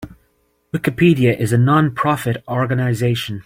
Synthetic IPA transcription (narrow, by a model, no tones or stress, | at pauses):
wɪkɨpʰiɾiɨʔɪzənɑ̃npʰɹ̥ɑfɨɾɔɹɡənaɪzeɪʃə̃n